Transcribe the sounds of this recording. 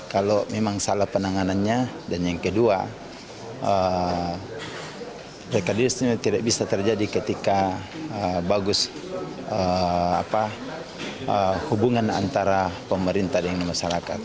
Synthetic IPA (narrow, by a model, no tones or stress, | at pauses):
kalomemaŋsalahpənaŋananɲa | danjaŋkədua | ə | rekadisɲat̪idak̚bisat̪ərd͡ʒadikət̪ikaəbaɡʊs | əa̰pa | əhubuŋana̰nt̪aɾapəməɾint̪ahdəŋanmaʃaɾaka̰t̪̚